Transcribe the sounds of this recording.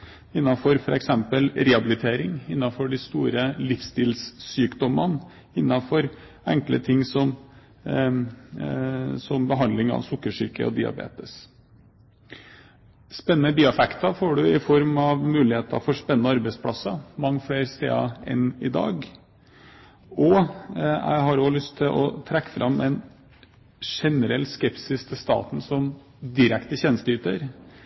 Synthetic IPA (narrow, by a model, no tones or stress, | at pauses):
ɪnːɑfɔɾfɔɾɛksɛmpəlɾɛɑbɪlɪt̪ʰeːɾɪŋɪnːɑfɔɖɪst̪uːɾəlɪfst̪iːlsːyːkd̪ɔmːən | ɪnːɑfɔɾ | ɛŋklə̰t̪ʰɪŋːsɔm | sɔmbəɦɑnd̪lɪŋɑ̰ʋsʊkːəʂɪɾkə̰ɔ̰d̪ɪɑ̰bḛːt̪əs | spɛnːənəbiːɑfɛkt̪ɑfoːɖʉɪfɔɾmɑʋmʉːlɪheːt̪ɑ̰fɔʂpɛnənəɑɾbæɪspʰlɑsɑmɑŋːfleːɾst̪ḛːɑɛ̰nɪd̪ɑ̰ːɡ | ɔ | jæ̰ɪɦɑɾolʏst̪ʰːɪlʔɔt̪ʰɾɛkːə̥fɾʔɑmːɛn | ʂɛnəɾɛlːskɛpsɪst̪ʰɪlst̪ɑ̰ːt̪n̩sɔm | d̪ɪɾɛkt̪əɕɛnst̪yːt̪əɾ